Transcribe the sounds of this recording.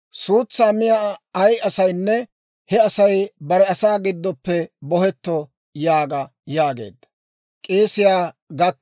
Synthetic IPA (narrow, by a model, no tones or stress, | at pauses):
suːt͡sːaːmɪjaɐjɐsɐjnːɛ | hɛɐsɐjbɐɾɛɐsaːɡɪd̪ːɔpːɛbɔhɛt̪ːɔ | jaːɡɐ | jaːɡe̞̰ːd̪ːɐ̥ | kʼeːsɪjaːɡɐk